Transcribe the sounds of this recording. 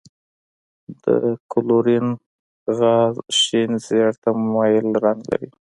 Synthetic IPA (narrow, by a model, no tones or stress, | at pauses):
d̪ə̰kʊloɾin | ɣɑzʃinzjɑɽt̪ammɑjɪlɾaŋɡla̰ɾi